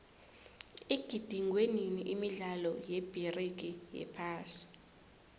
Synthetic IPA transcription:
iɡ̥ʱid̥ʱiŋʱweniniʔimiɮalɔjeb̥ʱirik̬ʼijɛ̰pʰaːsi̥

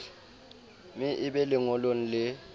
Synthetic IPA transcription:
mɪʔɪɓɛlɪŋɔlon̩lɪ

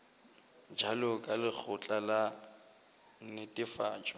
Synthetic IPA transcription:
d͡ʒalʊkʼalɪk͡xʰʊt͡ɬʼala | n̩nɪtʼɪfa̰ːt͡ʃʼɔ

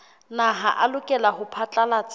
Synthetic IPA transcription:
naɦaʔalʊkʼɛlaɦʊpʰat͡ɬʼalat͡sʼ

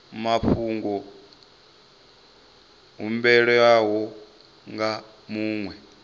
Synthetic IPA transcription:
maɸʰuːŋɡɔ | ɦumbɛɺɔaɦɔ | ŋɡa | muːŋwɛ

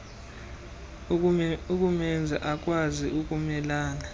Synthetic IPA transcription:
ukʼumɛnd͡zʱaʔak̬ʼwaziʔuk̬ʼumɛlaːna

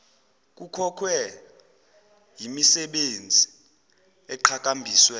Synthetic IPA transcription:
k̬ʼukʰɔkʰwɛ | jimisɛɓend͡zʱi | ɛǃʰak̬ʼambʱiːswɛ

